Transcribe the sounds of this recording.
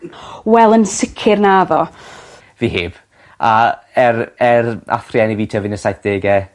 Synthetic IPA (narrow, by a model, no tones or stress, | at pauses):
wɛlˠənsɪkʰɪrnaːðɔ | viːheːb̥ | aɛɾɛrʔa̰θrjɛniviːtʰəvɪnəsajθ̚d̥eːɡɛ